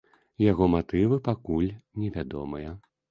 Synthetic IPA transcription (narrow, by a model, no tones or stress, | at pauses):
jaɣɔmat̪ɨvɨpakulʲnʲɛvʲad̪ɔ̰mɐjɐ